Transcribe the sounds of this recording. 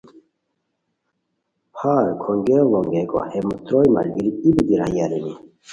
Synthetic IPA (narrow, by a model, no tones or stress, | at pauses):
pʰaːɾkʰoŋɡeʋɔŋɡeko̰hemut̪ɾojma̰lɡiɾiibid̪iɾajaɾeni